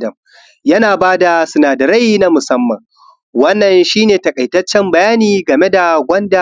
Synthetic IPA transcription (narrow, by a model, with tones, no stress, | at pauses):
dɐ˨m | jɐ˦naː˨baː˦da˨sʊ˨naː˨dɐ˨ɾa˦jiː˦na˦mʊ˨sɐ˦mːɐ˨ŋ | wɐ˦nːɐ˨nʃiː˦neː˨tɐ˨kʼɐ˨jtɐ˦t͡ʃːɛ˦mbɐ˨jaː˦niː˨ɡɐ˨me˦da˨ɡʷɐ˦nda˨